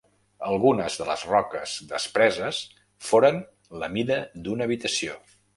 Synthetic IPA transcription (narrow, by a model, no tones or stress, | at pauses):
əlˠɣunəzðələ̰zrɔkəzd̪əspɾɛzəs | foɾən | ləmiðəd̪unəːβit̪əsio